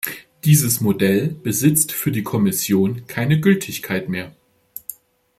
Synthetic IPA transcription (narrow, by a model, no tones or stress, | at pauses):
d̥iːzəsmodɛlb̥əzɪt͡stfyːɐdiːkʰɔmɪsjoːnkʰaɪnəɡʏltʰɪçkʰaɪtmeːɐ